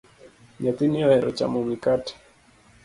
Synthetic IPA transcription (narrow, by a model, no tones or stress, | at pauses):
ɲat̪iniɔhɛɾɔ̰t͡ʃa̰mɔmikatɛ̥